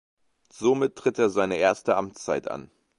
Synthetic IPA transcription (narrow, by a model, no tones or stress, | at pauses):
z̥omɪtʰːʁ̥ɪteːɐzaɪnəʔeːɐstəʔamt͡st͡saɪtʔa̰n